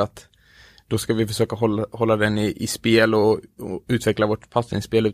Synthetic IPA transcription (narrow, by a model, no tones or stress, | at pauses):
at̪ | d̪̥ɔskavɪfœʂøːkaɦɔhɔlːad̪ɛnːɪʔɪspeːlɔʉ̟ːt̪vɛklavoːʈpʰasɪ̰nspeːlʉ̟ː